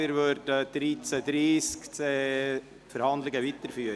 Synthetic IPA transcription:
ɪɾʋøɾdəd̪̥ɾiːt͡səd̪ɾiːskt͡se | fəɾhɑndlɪɡəʋit̪əɾfyə

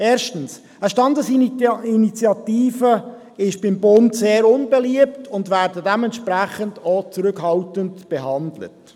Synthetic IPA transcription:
eːɾʃtəns | əʃtɑndəsiinit͡sjɑtiːfə | ɪʃb̥ɪmbʊntseːɾʊnbɛliəptʰʊndvæːɾdədɛmɛntʃpɾæχəndot͡sɾʏkhɑltəntb̥ɛɦɑndlə̰t

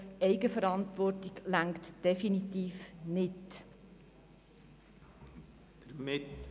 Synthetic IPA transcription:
ɛɪɡəfəɾɑntʋɔrtiɡlæŋkt̪d̥ɛfinitiːfnɪt | d̥əɾmɪt

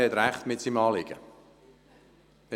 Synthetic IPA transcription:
hɛtɾæχtmɪtsimɑːlɪɡ̥ə̰

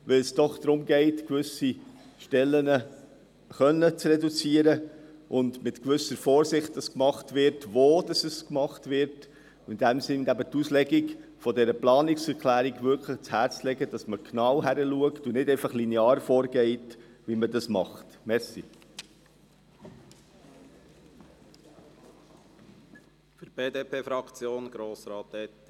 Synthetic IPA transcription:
ʋɪlsd̥ɔχd̪̥ɾʊmɡɛɪtkvʏsi | ʃtɛlːənə | χœnːət͡srɛdut͡siəɾəʔʊndmɪtkʋʏsəɾfɔːɾsɪχt̚d̥ɑskmɑχtvɪɾtʋoːd̥ɑsəskmɑχtʋɪɾt | ɪndæmsɪnæbət̪uslɛɡiɡfɔdɛɾəplɑːnɪksɛɾkʰlæːɾiɡʋʏɾkʰləχt͡shæːɾt͡slɛɡəd̥ɑsməknɑwɦæɾəluəktunɪdɛɪfɑχlineɑːɾfɔːɾɡɛɪt | ʋimədɑsmɑχtmɛɾsi | fyb̥eːd̪eːpʰeːfɾɑkt͡sjoːnɡ̥ɾoːsɾɑːt̪ɛt

